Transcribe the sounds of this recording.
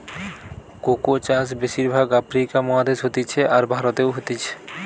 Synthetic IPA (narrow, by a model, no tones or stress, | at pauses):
kokot͡ɕasbeʃiɾbʱaɡafɾikamɔɦad̪eʃɦot̪it͡ɕʰeʔaɾbʱaɾot̪ewɦot̪it͡ɕʰe̥